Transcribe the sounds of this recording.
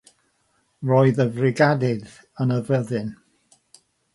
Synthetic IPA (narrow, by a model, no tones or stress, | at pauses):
rɔːɨðəvrɪɡadɪð | ənəvəðɨn